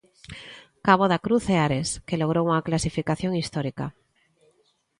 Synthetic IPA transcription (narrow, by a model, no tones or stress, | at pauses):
kaβ̞oðakɾuθeaɾeskeloɣ̞ɾouŋaklasifikaθjo̞ŋist̪oɾika̰